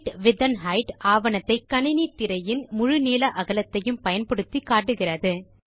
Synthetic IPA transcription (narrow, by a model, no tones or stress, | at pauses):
ʈʋɪðɐnɦɐɪʈʔaːʋɐnɐt̪ːɐɪkːɐnɪnit̪ːɪɾɐjɪnmʊɻɯniːlɐʔɐɣɐlɐt̪ːɐjɯmpɐjɐnpɐɽɯt̪ːikaːʈːɯɣɪrɐðɯ